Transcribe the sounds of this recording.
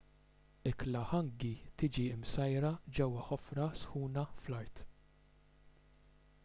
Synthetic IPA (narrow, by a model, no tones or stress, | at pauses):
ɪklɐħɐŋɡit̪iːd͡ʒiɪmsɐjɾɐd͡ʒɛwːɐħɔfɾɐsħuːnɐflɐɾt̪